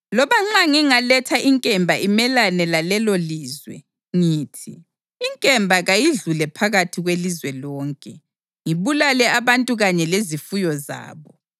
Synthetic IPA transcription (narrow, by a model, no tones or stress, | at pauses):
lɔβaŋ͡ǁaŋiŋalɛtʰaʔiŋkʼɛmbʱaimɛlanɛlalɛloliːzwɛ̰ | ŋiːtʰiː | ŋkʼɛmbʱaɣajiɮulɛpʰaɣatʰiɣwelizwɛlɔːŋkʼɛ | ŋiβulalɛaβantʼuɣaɲɛlezifujɔza̰ːβɔ